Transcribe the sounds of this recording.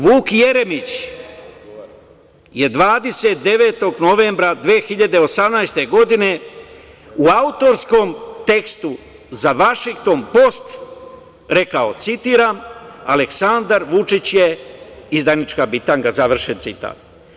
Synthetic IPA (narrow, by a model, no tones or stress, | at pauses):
ʋuːkje̞ɾe̞mit͡ɕ | je̞d̪ʋaːd̪e̞se̞t̪̚d̪e̞ʋe̞ːt̪o̞ɡno̞ʋe̞ːmbɾad̪ʋeːxiʎad̪eosamnajst̪e̞ɡo̞d̪ine̞ | uaut̪o̞ɾsko̞mt̪e̞kst̪u | zaʋaʃiŋk̚t̪o̞mpo̞st̪ | ɾe̞kao̞̰t̪sit̪iːɾaːma̰le̞ksand̪aɾʋut͡ʃit͡ɕjeizd̪anit͡ʃkabit̪aːŋkazaʋr̩ʃent̪sit̪a̰ːt̪̚